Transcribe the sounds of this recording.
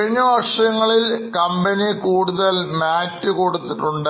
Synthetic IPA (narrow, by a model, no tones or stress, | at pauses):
ɻiɲːɐʋɐʂɐŋːɐɭilkɐmbɐnikuːɽuðɐlmaːtːɨkuːɽut̪ːiʈːuɳɖɨ